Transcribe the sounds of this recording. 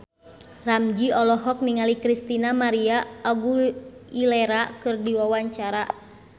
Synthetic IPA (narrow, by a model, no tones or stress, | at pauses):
ramd͡ʒiɔlɔɦɔk̚niŋalikɾist̪inamaɾiaɔɡuilɛɾakɨrdiwawaɲt͡ʃaɾa